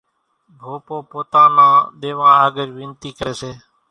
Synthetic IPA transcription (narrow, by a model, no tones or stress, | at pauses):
bʱoːpoːpoːt̪ãːnãːɗ̪eːʋãːaːɡəɾʋɪ̃nt̪iːkəɾeːseː